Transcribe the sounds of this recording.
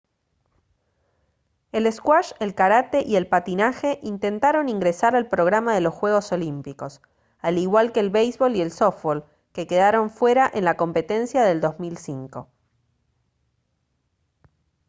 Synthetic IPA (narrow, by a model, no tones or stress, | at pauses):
eleskwaʃelkaɾat̪e̞ʔie̞lpat̪inaxe̞ʔint̪e̞nt̪aɾo̞niŋɡɾesaɾalpɾo̞ɣ̞ɾamaðe̞lo̞sxwe̞ɣ̞o̞so̞limpiko̞s | aliɣwalkeːlβejzβo̞lie̞lsofol | keke̞ðaɾo̞ɱfwe̞ɾaʔe̞nlako̞mpe̞t̪e̞nsjaðe̞ld̪o̞zmilsiŋko̞